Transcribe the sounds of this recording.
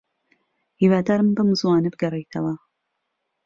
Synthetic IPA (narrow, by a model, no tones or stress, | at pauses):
hiːwaːd̪aːɾmɨnbɐmɨzwaːnɨbɨɡɐriːt̪ʰɐwɐ